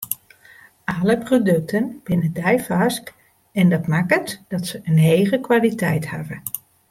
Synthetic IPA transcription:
aləprodɵk̚tʰənb̥ɪnədɛjfask | ɛndɑtmakətd̥ɑtsəənejɣəkʋalitɛjtha̰və

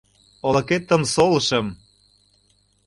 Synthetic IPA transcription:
olɤ̆ket̪ːə̆msolɤʃə̆m

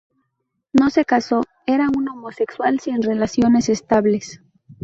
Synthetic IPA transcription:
no̞se̞kaso̞ | e̞ɾauno̞mo̞se̞kswalsinre̞lasjo̞ne̞se̞st̪aβle̞s

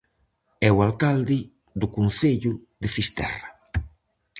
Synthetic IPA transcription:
ɛwalkald̪ɪ | d̪ʊkunseʎʊ | d̪ɪfist̪ɛ̰ra

